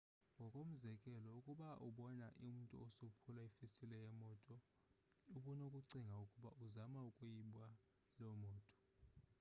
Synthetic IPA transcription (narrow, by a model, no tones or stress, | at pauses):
ŋɡʱɔkʼom̩zɛkʼɛlɔukʼuɓaʔuɓɔnaʔum̩ntʼṵosopʰulaifistʼilɛjɛmɔːtʼɔ | uɓunokʼuǀiŋɡʱaukʼuɓaʔuzamaukʼujiɓa | lɔmɔːtʼɔ̥